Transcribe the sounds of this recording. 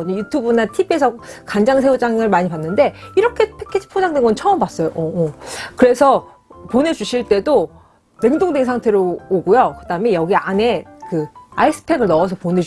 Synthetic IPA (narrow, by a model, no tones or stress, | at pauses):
ʌɲʌjutʰubunatʰibie̞sʰʌkand͡ʑaŋs̬ʰe̞ud͡ʑaŋɯɭmaɲipanːɯnde̞iɾʌkʰe̞pʰekʰid͡ʑʰi̥pʰod͡ʑaŋdwenɡʌnt͡ɕʰʌʌmbas͈ʌjoʔʌkɯɾe̞sʰʌ | pone̞d͡ʑuɕʰiɭt͈e̞do | ne̞ŋdoŋdweŋnsʰaŋtʰe̞ɾooɡujokɯdaɯme̞jʌɡiane̞kɯais͈ɯ̥pʰe̞ɡɯɭnʌʌs̬ʰʌpone̞